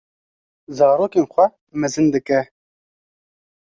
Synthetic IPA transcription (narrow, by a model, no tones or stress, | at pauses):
zɑːɾoːkeːnxʷɛ | mɛzɨnd̪ɨkɛ